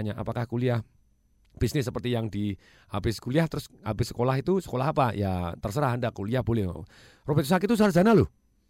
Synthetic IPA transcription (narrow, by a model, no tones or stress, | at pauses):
ɲaʔa̰pakahkuliah | b̥isnɪs̬ːəpərt̪ijaŋdi | habɪsə̥kuliaht̪əɾʊshabɪsə̥kolaɦit̪usə̥kolahɦapajat̪ərsəɾahandakuliahbolɛh | robɛt̪̚sakit̪us̬arzanalʊh